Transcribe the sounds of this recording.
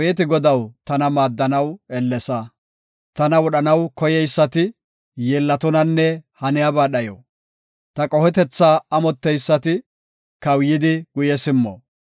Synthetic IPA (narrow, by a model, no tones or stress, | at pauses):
jɛt̪ɪɡɔd̪ɐwt̪ɐnɐmaːd̪ːɐnɐwɛlːɛsɐ | t̪ɐnɐwɔɗɐnɐwkɔjɛjsːɐt̪ɪ | jeːlːɐt̪ɔnɐnːɛhɐnɪjabaːɗɐjo̰ː | t̪ɐkʼɔhɛt̪ɛt͡sːaːɐmɔt̪ːɛjsːɐt̪ɪ | kɐwjɪd̪ɪɡ̥ʊjɛsɪmːɔ̰